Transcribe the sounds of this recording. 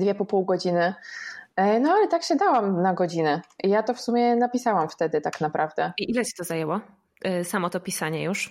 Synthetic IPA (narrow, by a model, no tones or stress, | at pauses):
d̪vʲɛpɔpuwɡɔd͡ʑinɘ | nɔalɛt̪akɕɛd̪awamnaɡɔd͡ʑinɛijat̪ɔfsumʲjɛnapʲisawamft̪ɛd̪ɘt̪aknapɾʔavd̪ɛiʔilɛt͡ɕɛ̥t̪ɔzajɛwɔ | samɔt̪ɔpʲisaɲɛjuʂ